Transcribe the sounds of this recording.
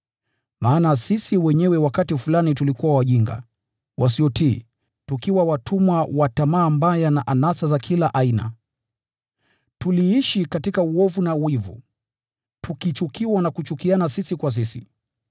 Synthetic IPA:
maːnasisiwɛɲɛwɛwakatifulanitulikuwawaʄiŋɡa̰ | wʔas̬iɔtiː | tukiwawatʰumwawatamaːmbajanaʔanasazakʰilaʔaina̰ | tuliiʃikatikauɔvunawivṵ | tukit͡ʃukiwanakut͡ʃukianasisikwas̬isḭ

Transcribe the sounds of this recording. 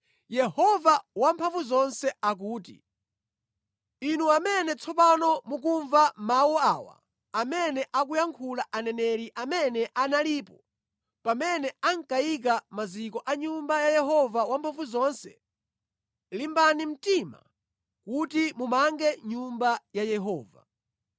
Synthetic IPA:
jɛhɔvawampʰaɱvuzɔnsɛak̬uːtḭ | inuamɛnɛt͡sʰɔpanɔmuk̬uɱvamawɔaːwa̰ | amɛnɛʔakujaŋkʰulaʔanɛnɛɾiʔamɛnɛʔanaliːpɔ | pamɛnɛaŋkajik̬amazikɔʔaɲumbajajɛɦɔvawampʰaɱvuzɔnsɛ | limbanim̩tima̰ | kutimumaŋɡɛɲumbajajɛɦɔːva̰

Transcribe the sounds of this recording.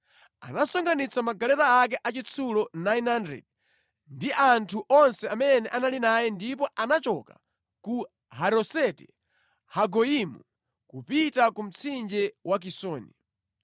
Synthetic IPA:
a̰nasɔŋɡanit͡sʰamaɡalɛtaak̬ɛʔat͡ʃit͡sʰulɔnajnhandɛ̰d̚ | ndiʔantʰuʔɔnsɛamɛnɛʔanalinajɛndip̬ɔʔanat͡ʃɔka̰ | ku | haɾɔsɛtɛ | haɡɔimṵ | kupitakum̩t͡sʰind͡ʒɛwak̬isɔːni

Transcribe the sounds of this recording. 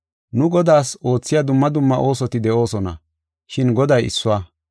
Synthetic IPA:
nʊɡɔd̪aːso̞ːt͡sːɪjad̪ʊmːɐd̪ʊmːɐʔo̞ːsɔt̪ɪd̪ɛʔo̞ːsɔnɐ̰ | ʃɪnɡɔd̪ɐjɪ̰sːʊwaː

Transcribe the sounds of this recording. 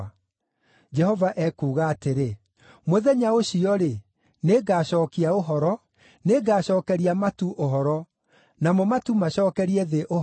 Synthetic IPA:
d͡ʒɛhɔvaʔɛkuːɣaːteɾe | moðɛɲaoɕiɔɾe | neɡaːɕɔːkiaoɦɔɾɔ | neɡaːɕɔːkɛɾiamatuʔoɦɔɾɔ | namɔmatumaɕɔːkɛɾiɛðeʔo

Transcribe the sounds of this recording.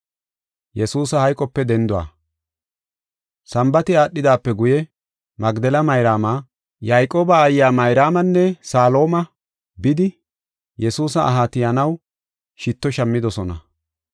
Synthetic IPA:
jɛsuːsɐhɐjkʼːɔpːɛd̪ɛnd̪ʊwa̰ː | sɐmbɐt̪ɪaːɗːɪd̪aːpːɛɡʊjɛ | mɐɡd̪ɛlɐmɐjɾaːma | jajkʼo̞ːbɐːjːaːmɐjɾaːmɐnːɛsaːlo̞ːmɐ | bɪd̪ɪ | jɛsuːsɐʔːɦaːt̪ɪjɐnɐw | ʃɪt̪ːɔʃɐmːɪd̪ɔsɔnɐ̰

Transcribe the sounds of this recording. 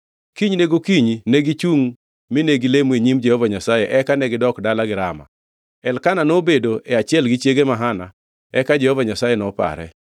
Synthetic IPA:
kiɲneɡokiɲineɡit͡ʃuŋ | mɪneɡilemeɲimd͡ʒɛhovaɲasajɛʔɛkanɛɡɪdɔkdalaɡɪɾama̰ | ɛlkananobedoɛat͡ʃɪɛlɡɪt͡ʃjeɡemaɦana | ɛkad͡ʒɛhovaɲasajenɔpa̰ɾɛ̰

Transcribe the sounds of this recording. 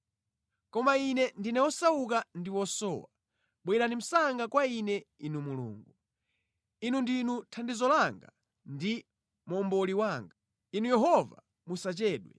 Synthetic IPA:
kɔmainɛndinɛwɔsauk̬andiwɔsɔ̰ːwa̰ | ɓwɛɾanim̩saŋɡakwainɛinumulṵːŋɡu | inundinutʰandizɔlaŋɡa | ndi | mɔmbɔliwaːŋɡa | inujɛɦɔva̰ | musat͡ʃɛːɗwɛ̰

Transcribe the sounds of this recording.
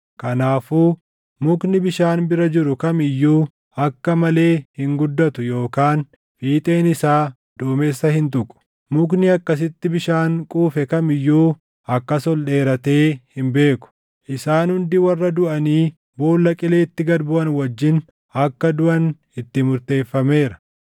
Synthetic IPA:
kɐnaːfuː | mʊknɪbɪʃaːnbɪɾɐd͡ʒɪɾʊkɐmɪjːuː | ɐkːɐmɐle̞ːhɪŋɡʊd̪ːɐt̪ʊjo̞ːkaːn | fiːt̪ʼeːnɪsaː | d̪̥ʊːmeːsːɐhɪnt̪ʊkʼʊ̥ | mʊknɪɐkːɐs̬ɪt̪ːɪbɪʃaːŋkʼuːfɛkɐmɪjːuː | ɐkːɐsɔlɗe̞ːɾɐt̪e̞ːhɪmbe̞ːkʊ̥ | ʔɪsaːnhʊnd̪ɪwɐrːɐd̪ʊʔɐniː | bo̞ːlːɐkʼɪle̞ːɪt̪ːɪɡɐd̪bʊʔɐnwɐd͡ʒːɪn | ɐkːɐd̪ʊʔɐn | ɪt̪ːɪmʊɾt̪e̞ːfːɐme̞ːɾɐ̥

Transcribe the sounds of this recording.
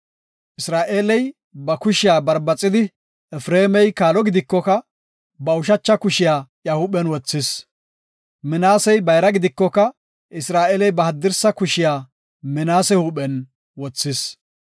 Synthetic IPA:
ʔɪsɾaːʔeːlɛj | bɐkʊʃɪjaːbɐɾbɐt͡sʼːɪd̪ɪ | ɛfɾeːmɛjkaːlɔɡɪd̪ɪkːɔkɐ | bɐʊʃɐt͡ʃːɐkʊʃɪjaːjɐhʊɓɛnwɔt͡sːɪs | mɪnaːsɛjbɐjɾɐɡɪd̪ɪkːɔkɐ | ʔɪsɾaːʔeːlɛjbɐhɐd̪ːɪɾsɐkʊʃɪjaː | mɪnaːsɛhuːɓɛn | wɔt͡sːɪs

